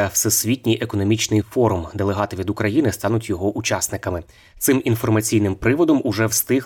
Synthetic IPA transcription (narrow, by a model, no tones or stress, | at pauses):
ɐwsesʲʋʲitʲnʲijʔekɔnɔmʲit͡ʃnɪjfɔɾʊmd̪elˠeɦɑt̪ɪʋʲid̪ʊkɾɐjinɪst̪ɑnʊtʲjɔɦɔʔut͡ʃɑsnɪkɐmɪ | t̪sɪmin̪fɔrmɐt͡sʲijn̪ɪmpɾɪʋɔd̪ɔmʊʒɛwst̪ɪ